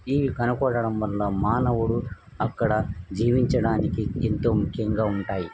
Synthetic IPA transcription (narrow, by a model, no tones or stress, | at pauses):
iːʋikɐnɐkɔːɽɐɽɐmʋɐlːɐmaːnɐʋuɽu | ɐkːɐɽɐd͡ʒiːʋiɲt͡ʃɐɽaːnikiḛnt̪o̞ːmukʰːjɐŋɡaːuɳʈaːji